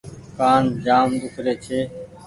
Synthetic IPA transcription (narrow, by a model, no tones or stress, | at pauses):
kaːnd͡ʒaːmd̪ʊkɾeːt͡ʃʰeː